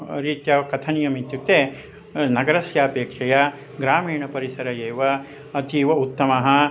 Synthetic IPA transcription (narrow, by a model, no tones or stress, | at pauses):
ɾiːt̪jɐkɐt̪ʰɐnijɐmit̪jukt̪eː | nɐɡɐɾɐsjaːpeːkʂɐja | ɡɾaːmiːɳɐpɐɾisɐɾɐjeːʋɐ | ɐt̪iʋɐut̪ːɐmɐɦɐ̆